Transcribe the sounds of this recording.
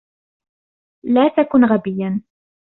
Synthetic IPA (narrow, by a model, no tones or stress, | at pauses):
laːt̪akʊnɣabɪjːan